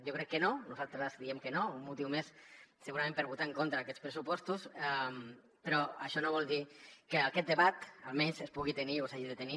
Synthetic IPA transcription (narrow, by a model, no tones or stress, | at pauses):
jokɾɛkːənonuzalˠt̪ɾəzd̪iemkənoummut̪iwmessəɣuɾamẽmpəɾβut̪aeŋkont̪ɾaːkɛt̪spɾəsupɔst̪usam | pəɾɔaʃɔnoβɔlˠd̪ikeakɛt̪̚d̪əβat̪alˠmɛnzespuɣit̪eniosaʒiðet̪eni